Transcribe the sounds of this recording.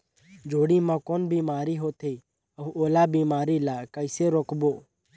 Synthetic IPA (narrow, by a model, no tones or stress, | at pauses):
d͡ʒoːɽiːmãːkoːnbiːmaːɾiːɦoːt̪ʰeiː | əũʔoːlaːbiːmaːɾiːlaːkəɪseːɾoːkboː